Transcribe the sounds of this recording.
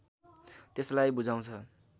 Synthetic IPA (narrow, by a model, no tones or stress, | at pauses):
t̪eslajbud͡zaw̃t͡sʰʌ